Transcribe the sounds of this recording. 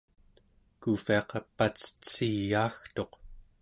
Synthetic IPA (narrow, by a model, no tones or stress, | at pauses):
kufiɑqɑpːat͡sə̥t͡siɣaːxt̪o̞q